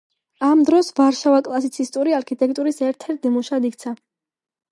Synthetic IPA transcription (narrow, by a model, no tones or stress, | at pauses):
amd̪ɾɔsvaɾʃavakʼlˠasit̪sʰist̪ʼuɾiaɾkʰit̪ʼɛk̚ʼt̪ʼuɾisɛɾt̪ʰɛɾt̪̚imuʃad̪ikʰt̪sʰa